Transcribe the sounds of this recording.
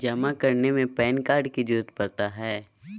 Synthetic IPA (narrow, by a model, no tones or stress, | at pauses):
d͡ʒɐmakɐɾnemẽpɛːnkaːɾɖkid͡ʒuːt̪pɐɾt̪aɦɛː